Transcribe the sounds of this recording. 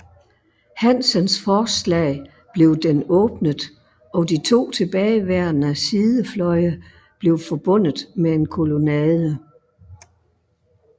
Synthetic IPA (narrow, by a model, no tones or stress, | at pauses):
hænsɒnsfɒːslɛ̰ː | b̥le̝ʊd̥enɔːb̥nəðˠ | ɒ̽dit͡sʰo̝̰ːt͡sʰe̝b̥ɛːɪʋæɐ̰nəæsiːðˠəflɒ̽ɪə | b̥le̝ʊfɒ̽b̥ɔ̽n̰ð̩ˠmeenkʰo̝lo̝nɛːðˠə